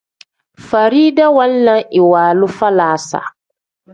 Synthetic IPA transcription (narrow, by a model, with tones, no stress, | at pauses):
fa˨ɾiː˦da˦wa˦n˦la˦ŋɪ˨waː˨lʊ˦fa˦laː˨˦sa̰˨